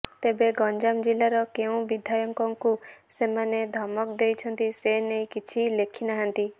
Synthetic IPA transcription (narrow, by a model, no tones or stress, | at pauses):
t̪ebeɡɔnd͡ʒamd͡ʒilaɾɔkeũbid̪ʱajɔŋkɔŋkusemaned̪ʱɔmɔkd̪ejt͡ʃʰɔnt̪isenejkit͡ʃʰilekʰinaɦant̪i